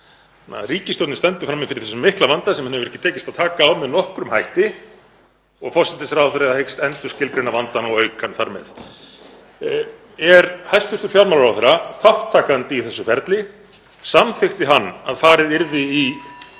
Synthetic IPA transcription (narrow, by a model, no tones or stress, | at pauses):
nːa̰ɾiːcɪst̪ɔowt̪nɪst̪ɛnt̪ʏ̥fɾamːɪfɪɾɪθɛsʏmːɪhklavant̪asɛmhnɛvʏɾɛhcːɪt̪ʰɛːcɪst̪aðt̪ʰaːkaːwmɛðnɔhkɾʏmhajht̪ɪ | ɔɣfɔrsɛt̪ɪsɪɾaθfaɾɪahejkst̪ɛnt̪ʏ̥scɪlpɾɪnavant̪anawœɥkʰanθaɾmɛ̰ð | ɛɾhajst̪ʏɾ̥t̪ʏ̥ɾfjawɾmalaɾawθɛɾaθawht̪ʰːaːkant̪ɪiθɛsːʏfɛɾt̪lɪ | samθɪxt̪ɪɦanːa̰ðfaːɾɪðɪɾðɪi